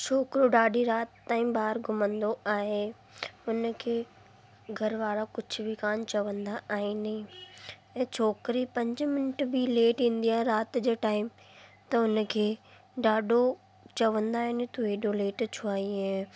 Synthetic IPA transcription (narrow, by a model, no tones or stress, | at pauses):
t͡ɕʰoːkɾoɖaːɖʱiɾaːt̪t̪ːaːĩbaːɾɡʱʊmə̃nd̪oaːɦe | ʊnkʰeː | ɡʱɐɾʋaːɾakʊd͡ʑʰʱʊ̆bʱɪkaːnt͡ɕɐʋə̃nd̪aaːɦinɐĩ | ɛ̃ːt͡ɕʰoːkɾipɐ̃ɲd͡ʑmɪnɪʈbileːʈĩːn̆d̪iaːɦẽɾaːt̪d͡ʑeːʈaːɪm | t̪ɐʊnkʰeː | ɖaːɖʱo | t͡ɕɐʋə̃nd̪aːɦɪnet̪ʊeːɗoleːʈt͡ɕʰuaːiẽ